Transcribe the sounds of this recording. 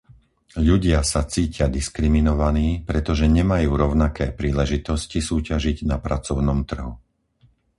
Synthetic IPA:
ʎuɟɪasat͡siːcɪad̪iskɾiminɔʋaniːpɾɛt̪ɔʒɛɲɛmajuːɾɔʊnakɛːpɾiːlɛʒit̪ɔscisuːcaʒiɟnapɾat͡sɔʊnɔmt̪r̩ɦu

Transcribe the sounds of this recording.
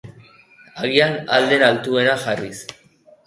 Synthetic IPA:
aɣianald̪e̞nalt̪ue̞naxarḭs

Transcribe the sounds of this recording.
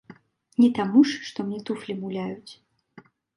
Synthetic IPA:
nʲɛt̪amuʂːt̪ɔmnʲɛt̪uflʲibulʲajut͡sʲ

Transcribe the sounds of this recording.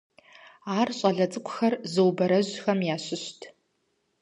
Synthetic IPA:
aːrɕʼɐɮɐt͡sʼɨkʷʊxɐrzɨwbɐɾɐʑxɐmjaːɕɪɕtʰ

